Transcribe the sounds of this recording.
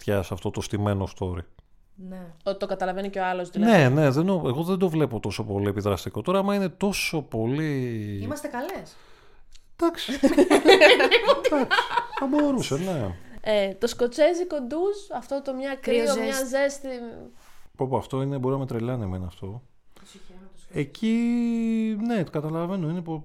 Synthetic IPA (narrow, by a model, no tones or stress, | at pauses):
t̪çɐsɐft̪o̞t̪ost̪ime̞nost̪o̞ɾḭ | neot̪it̪okɐt̪ɐlɐveniceoɐlost̪nnene̞ðend̪oeɣo̞ðend̪ovle̞po̞t̪o̞so̞po̞lie̞piðɾɐst̪iko̞t̪o̞ɾɐːmɐine̞t̪o̞so̞po̞liimɐst̪ekɐles | d̪̥ɐksi | ot̪d̪kθɐbo̞ɾuseneet̪o̞sko̞t͡se̞ziko̞nd̪usɐft̪ot̪omɲɐkɾiomɲɐzest̪i | popuɐft̪oinebo̞ɾinɐmet̪ɾeʎɐnimɐinɐ̰ft̪o̞ | eci | ne̞t̪kɐt̪ɐlɐve̞noinepo